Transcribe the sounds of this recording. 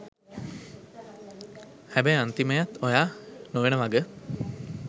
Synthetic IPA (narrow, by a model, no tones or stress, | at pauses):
hæbɛjant̪iməjat̪ojaːnoʋenəʋaɡə